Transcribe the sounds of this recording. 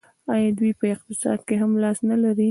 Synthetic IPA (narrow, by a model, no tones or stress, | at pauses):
ɑjɑd̪wujpəɪq̚t̪ɪsɑ̰d̪̚keɦamlɑsnalaɾi